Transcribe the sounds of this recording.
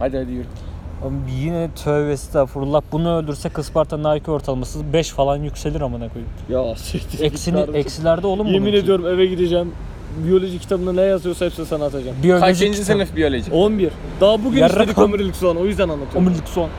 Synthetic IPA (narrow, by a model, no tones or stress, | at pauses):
had̪iad̪ijoamjinɛt̪ʰø̞vesi̥t̪ʰɛfuɾulˠap̚bunuølʲd̪yɾsɛkʰːɯspaɾt̪ʰanaːjycʰyo̞ɾt̪ʰalˠamasɯbɛʃfalˠanjycʲse̞lʲiɾamanakʰojupjaset̪ʰiɛsiniɾɛcsilʲæɾd̪ɛolˠumjeumine̞d̪ijo̞ɾumevɛɟid̪ed͡ʒɛm | bijo̞lʲo̞ʒii̥t̪ʰabɯnanɛjazɯjosaɛpsinsanat̪ʰad͡ʒambijolʲoʒiind͡ʒd͡ʒienɯfbijo̞lʲoʒionbiɾd̪abuɡynaed̪ikomiɾlʲiksuanojyzd̪ænanlːˠat̪ʰɯoomiɾlʲiksuan